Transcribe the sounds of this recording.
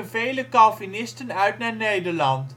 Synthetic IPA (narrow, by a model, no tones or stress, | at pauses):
nvejləkɑlˠvinɪstənœɥtnaːɹnejdəɹlɑnt